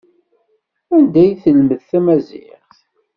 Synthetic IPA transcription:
ænd̪æjθəlməðθæmæzḭχ

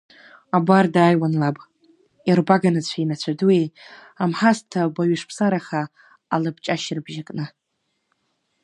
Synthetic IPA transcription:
abʷardaːjwanlapʼ | irbaɡanɨt͡ɕʷʰainat͡ɕʷʰaduwe | amħastʰabaɥɪʂpʰsaɾaχaː | lɨbt͡ʃʼaʃrbʒakʼnɨ

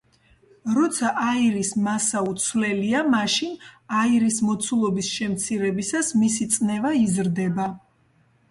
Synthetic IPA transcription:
ɾɔt̪sʰaʔaiɾismasaut̪sʰwlɛliamaʃinaiɾismɔt̪sʰulˠɔbisʃɛmt̪sʰiɾɛbisasmisit̪sʼnɛvaizɾd̪ɛba

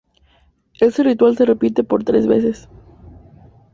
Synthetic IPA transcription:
e̞serit̪walse̞re̞pit̪e̞po̞ɾt̪ɾe̞zβḛses

